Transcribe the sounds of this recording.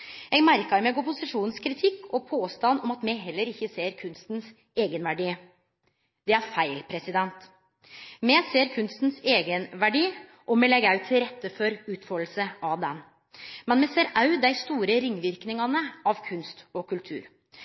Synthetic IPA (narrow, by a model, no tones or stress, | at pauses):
jɛɡmæɾkɑɾmɛɡɔpʊsɪʂuːnnskʰɾɪt̪ʰɪkːɔpʰoːst̪ɑnɔmɑt̪mɛɦɛlːəɾɪçːəseːɾkʰʉnst̪n̩s | eːɡənʋæɖiː | d̪̥ɛæɾfæɪlpʰɾɛsɪd̪ɛnt̪ | mɛseːɾkʰʉnst̪n̩seːɡənʋæɖiː | ʔɔmɛlɛɡɑʉt̪ʰːɪlɾɛt̪ːəfɔɾʉːt̪fɔɾl̩səʔɑʋd̪ɛn | mɛnmɛseːɾɑʉd̪æɪst̪uːɾəɾɪŋːʋɪɾknɪŋɑnəɑʋkʰʉnst̪ɔkʰʉlt̪ʰʉ̰ːɾ